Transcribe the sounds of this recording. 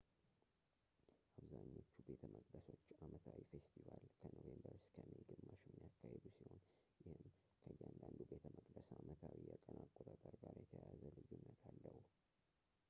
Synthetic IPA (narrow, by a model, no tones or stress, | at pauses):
ʔaβzaɲːo̞t͡ʃːube̞t̪ʰəmʔəkʼd̪əso̞t͡ʃːamət̪ʰawifest̪ʰivalkʰənovembəɾskʰəmeɡɨmːaʃɪmːijakːahed̪usiho̞n | jɪhɨm | kʰəjːand̪and̪ube̞t̪ʰəməkʼd̪əsamət̪ʰawijɛkʼənʔakʼːot̪ʼət̪ʼːəɾɡaɾjɛt̪ʰəjazəlɨjɪnːət̪ʰalːəhu